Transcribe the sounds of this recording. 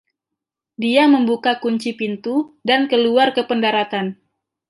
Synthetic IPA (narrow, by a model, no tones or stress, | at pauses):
diaməmbukakuɲt͡ʃipint̪udankəluarkəpəndaɾat̪an